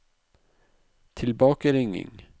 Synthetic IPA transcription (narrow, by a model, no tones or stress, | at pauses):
t̪ʰɪlbɑːkaɾɪŋːɪ̰ŋ